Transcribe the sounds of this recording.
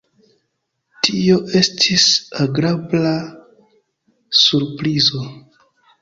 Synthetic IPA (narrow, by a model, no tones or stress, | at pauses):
tʰio̞ʔe̞stʰisaɡɾabla | suɾpɾizo̞